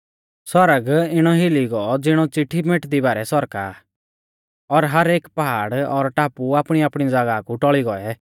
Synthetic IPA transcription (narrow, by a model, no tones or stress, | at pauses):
sɔɾəɡɪɽ̃ɔɦɪliɡɔɔd͡zɪɽ̃ɔt͡sɪʈʰːimeʈd̪ibaːɾɛsɔɾka̰ː | ɔɾɦɐɾeːkpaɦa̰ːɽɔɾʈaːpuaːpɽ̃iaːpɽ̃id͡zaɡakuʈɔɭiɡɔɛ